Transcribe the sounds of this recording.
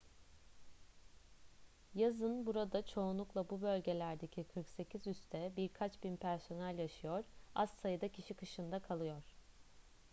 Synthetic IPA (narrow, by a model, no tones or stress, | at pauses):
jazɯnbuɾad̪at͡ʃʰo̞unlˠuklˠabubø̞lʲɟe̞lʲæɾd̪e̞cʰikʰɯɾkse̞cʰizyst̪ʰɛbiɾkʰat͡ʃbinpʰæɾso̞nælʲjaʃɯjo̞ɾ̥assajɯd̪acʰiʃikʰɯʃɯnd̪akʰalˠɯjo̞ɾ̥